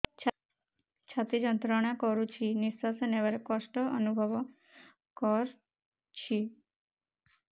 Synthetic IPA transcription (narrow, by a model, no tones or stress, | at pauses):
t͡ʃʰat̪id͡ʒɔnt̪ɾɔɽ̃akɔɾut͡ʃʰinisasɔneʋɔɾekɔsʈɔːnubʱɔʋɔ | kɔɾ | t͡ʃʰi